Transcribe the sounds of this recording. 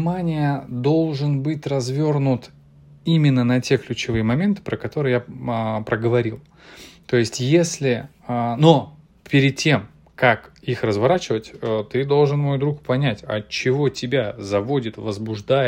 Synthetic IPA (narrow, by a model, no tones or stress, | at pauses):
manʲɪjəd̪o̞lˠʐɨnbɨtʲrɐzvʲo̞rnʊt̪ | imʲɪnːənɐtʲe̞klʲʉt͡ɕɪvɨjəmɐmʲe̞nt̪ɨ̥pɾəkɐt̪o̞ɾɨjaəpɾəɡəvɐɾʲilˠ | t̪o̞jɪsʲtʲjesʲlʲɪ | əno̞ | pʲɪɾʲɪd̪̚tʲːe̞m | kakixrəzvɐɾat͡ɕɪvətʲət̪ɨd̪o̞lˠʐɨnmo̞jd̪ɾukpɐnʲætʲɐ̰t͡ɕːɪvo̞tʲɪbʲazɐvo̞dʲɪt̪vəzbʊʐd̪aj